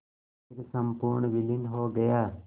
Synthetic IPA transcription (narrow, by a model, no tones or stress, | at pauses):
ksəmpʊɾɳʋɪlɪndɦoːɡɐjaː